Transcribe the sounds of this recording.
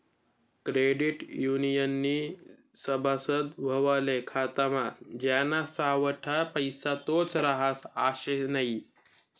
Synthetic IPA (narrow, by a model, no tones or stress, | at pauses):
kɾeɖiʈjunijənːiː | səbʱasəd̪ʋʱəʋalekʰat̪amat̪d͡ʑanasaʋəʈʰapəjsat̪ot͡sɾaɦasaɕenaɦi